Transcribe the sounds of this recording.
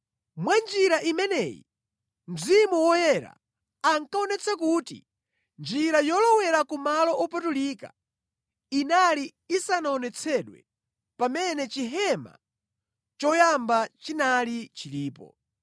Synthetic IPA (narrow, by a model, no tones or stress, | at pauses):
mwand͡ʒiɾaʔimɛnɛːjḭ | m̩zimuwɔjɛɾa̰ | aŋkaɔnɛt͡sʰakutḭ | nd͡ʒiɾajɔlɔwɛɾakumalɔʔɔpatuliːka̰ | inaliː | sanaɔnɛt͡sʰɛɗwɛ̰ | pamɛnɛt͡ʃiɦɛma̰ | t͡ʃɔjambat͡ʃinalit͡ʃiliːpɔ̰